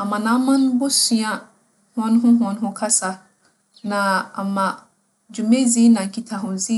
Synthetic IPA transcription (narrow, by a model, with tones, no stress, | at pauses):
a˨mã˨nã˨˦mã˦n˦bʊ˦si˨˦ã˦ | hɔ̃˦n˦ɦʊ̃˦ɦɔ̃˨˦n˦ɦʊ̃˦kʰa˦sa˨ | nã˨a˨mã˨ | d͡ʑu˨mẽ˦zi˦nã˨ŋ̩˨kʰi˨tʰa˨ɦʊ̃˨zi˦